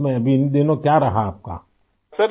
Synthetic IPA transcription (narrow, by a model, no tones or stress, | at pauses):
mɛbinidenokjaɾaɦap̚ka̰ | sɛ